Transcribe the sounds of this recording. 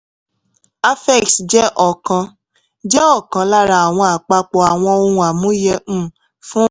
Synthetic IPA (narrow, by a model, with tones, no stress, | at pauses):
a˦fɛ˦˨ksd͡ʒɛ˦ʔɔ˨kã˧ | d͡ʒɛ˦ɔ˦˨kã˨˧la˦ɾa˧a˨w̃ɔ̃˧a˨k͡pa˧k͡pɔ˧˨a˨w̃ɔ̃˧o˧hũ˧a˨mũ˨˦jɛ̃˧˦˨ | fũ˦